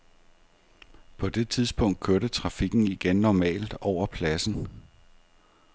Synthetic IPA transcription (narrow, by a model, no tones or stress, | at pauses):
pʰɒ̽d̥e̝t͡sʰið̞ˠsb̥ɔ̽ŋ̰d̥̚kʰøɐɾ̥ət͡sʰʁɑ̈fiɡ̥n̩iɡ̥enːɒmɛ̰ːld̥ɒʊ̰ɐpʰlæsn̩